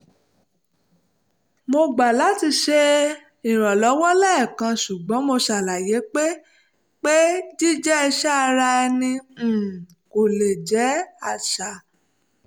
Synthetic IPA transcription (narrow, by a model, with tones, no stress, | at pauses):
mo˧ɡ͡ba˨la˨˦ti˧ʃe˧˦ | i˨ɾ̃ɔ̃˨lɔ˨˦wɔ˦lɛ˦˨kã˧ʃu˨ɡ͡bɔ̃˨˦mo˧ʃa˨la˨je˨˦k͡pe˦ | k͡pe˦di˦d͡ʒɛ˦i˧ʃa˦a˧ɾa˧ɛ˧nĩ˧˨ | ko˨le˨d͡ʒɛ˨˦a˨ʃa˨